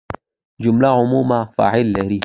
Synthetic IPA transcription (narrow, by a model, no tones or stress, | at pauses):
d͡ʒʊmlaʕʊmuːmafa̰ːʕɪlːɐɾi